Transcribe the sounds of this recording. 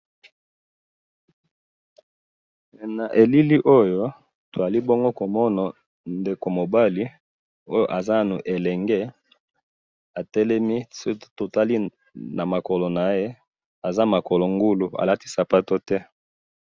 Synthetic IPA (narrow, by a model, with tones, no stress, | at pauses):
na˨ʔe˨li˦li˦ʔo˦jo˦ | to˨a˨li˦bo˦ŋɡo˦ko˨mɔ˦na˨ | nde˨ko˨mo˨ba˦li˦ | o˦jo˦ʔa˨za˦˨nu˨ʔe˨lɛ˨ŋɡɛ˦ | a˨tɛ˦lɛ˦mi˦so˦to˨ta˦li˦ | na˨ma˨kɔ˨lo˨na˨je˦ | a˨za˦ma˨kɔ˨lo˨ŋɡu˦lu˨a̰˨la˦ti̥˦sa˨pa˦to˦tɛ˦